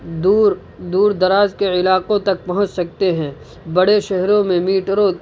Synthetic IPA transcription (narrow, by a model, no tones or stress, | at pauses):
d̪uːɾ | d̪uːɾd̪ɐɾaːzkeɪlaːqõt̪ɐk̚pɐɦʊ̃t͡ʃsɐk̚t̪eɦɛ̃ː | bɐɽeʃɛɦɾõmẽmiːʈɾõ